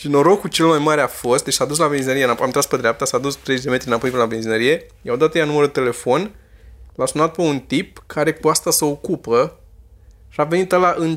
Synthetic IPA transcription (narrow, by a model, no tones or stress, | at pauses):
ʃino̞ɾo̞kut͡ʃe̞lmajmaɾeafo̞st̪̚d̪et͡ʃʲsad̪us̬labenzinəɾie̞ɨnapamnt̪ɾasped̪ɾeap̚t̪asad̪ust̪ɾezet͡ʃd̪e̞met̪ɾiɨnapo̞jpenlabe̞nzinəɾije̞jaod̪at̪əjanuməɾud̪t̪e̞le̞fo̞nlasunat̪̚pe̞unt̪ip̚kʰaɾe̞kuast̪asəokupə | ʃave̞nit̪alaʔɨn